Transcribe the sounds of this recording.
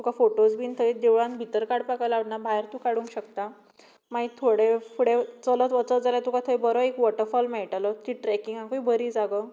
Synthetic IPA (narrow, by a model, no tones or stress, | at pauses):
t̪ukafoʈosbʱint̪ʰəjd̪eʋɭãnbʱit̪əɾkaɽpakajlaɽnabʱajɾt̪ũkaɽũŋkɕəkt̪a | maɦit̪ʰːoɽefuɽet͡sələt̪ʋət͡sətd͡zalat̪ukat̪ʰəjbəɾoekʋɔʈəɾfɔlmɛʈalət̪iʈɾɛkiŋɡãŋkoibʱəɾiːd͡zaɡə